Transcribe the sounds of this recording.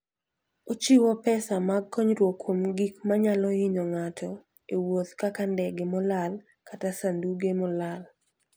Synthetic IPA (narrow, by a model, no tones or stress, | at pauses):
ot͡ʃiwɔpɛsamaɡ̚kːɔɲɾwokwomɡikmaɲalɔɪɲɔŋatʰɔ | ewot̪kakandɛɡemɔlal | katasanduɡemɔlal